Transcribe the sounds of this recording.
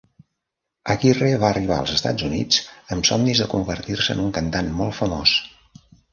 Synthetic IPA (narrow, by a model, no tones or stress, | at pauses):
əɣireβaəriβ̞a̰əlˠzəst̪a̰d͡zunḭd͡zəmsɔmnizðəkumbərt̪irsəənuŋkənt̪anmːɔlˠfəmos